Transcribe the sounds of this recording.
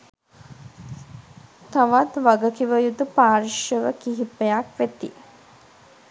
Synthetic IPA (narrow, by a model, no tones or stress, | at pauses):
t̪aʋat̪ʋaɡəkiʋəjud̪upaːɾiʃjəʋəkiɦipəjakʋet̪i